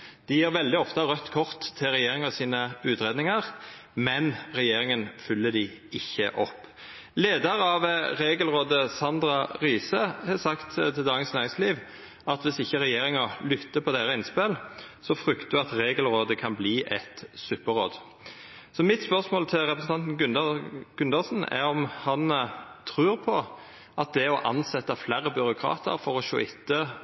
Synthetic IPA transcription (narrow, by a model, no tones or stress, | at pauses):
d̪̥ɪjiːɾʋɛld̪ɪɔft̪əʁœt̪ːkʰɔʁt̪ʰːɪlɾɛjeːʁɪŋɑsiːnəʉːt̪ʁeːd̪nɪŋɑʁmɛnʁɛjeːʁɪŋənfʏlːəd̪ɪ | ɪçːə̰ʔɔpː | leːd̪ɑʁɑʋʁeːɡəlʁoːd̪əsɑnd̪ɾɑʁiːsəhɛsɑkt̪t̪ʰɪld̪ɑːɡənsnæːʁɪŋsliːʋ | ɑt̪ʋɪsɪçːəɾɛjeːɾɪŋɔlʏt̪ːəpʰɔd̪ɛɾəɪnspɛlsɔfʁʏkt̪d̪ʉɑt̪ʁeːɡəlʁoːd̪əkʰɑnbliːʔɛt̪sʉpːəʁoːd̪ | sɔmɪt̪spœʁsmoːlt̪ʰɪlɾɛpɾʁsn̩ɑnt̪n̩ɡʉnɡ̥ʉnd̪ɑsn̩ɛ̰ɾɔmhɑnt̪ʰʁʉːɾpʰɔ | ɑt̪̚d̪ɛɔʔɑnsɛt̪ːɑflæːɾəbʏɾʊkʰɾɑ̰ːt̪ə̰ɾfɔɾɔʃo̰ːɪt̪ːə